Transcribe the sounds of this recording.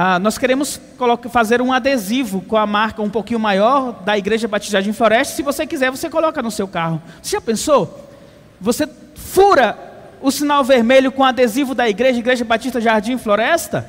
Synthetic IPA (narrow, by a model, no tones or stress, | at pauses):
anɔskeɾẽmʊs | kolokfazeɾũad̪ezivʊkõɐmaɾkɐũpowkĩɲʊmajɔɾd̪ɐiɡɾeʒɐbat͡ʃi̥ʒaɾd͡ʒĩfloɾɛst̪ɐ̥sɪvosekizɛɾvosekolɔkɐnʊsewkahʊseʒapẽso | vose | fuɾɐ | ʊsĩnawveɾmeʎʊkõad̪ezivʊd̪ɐiɡɾeʒɐiɡɾeʒɐbat͡ʃiʃt̪ɐʒaɾd͡ʒĩfloɾɛst̪ɐ